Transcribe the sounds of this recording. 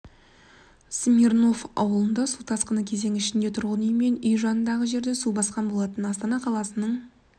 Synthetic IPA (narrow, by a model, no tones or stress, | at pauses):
smʲirno̞fɑ̰wəlˠənd̪ɑsut̪ʰɑsqənəkʲʰeze̞ŋɪʃɪnd̪e̞t̪ʰʊɾʁənʏjme̞nʏjʒɑnənd̪ɑʁəʒe̞ɾd̪e̞subɑsqɑnbo̞lˠɑt̪ənɑst̪ɑnɑqʰɑlˠɑsənəɴ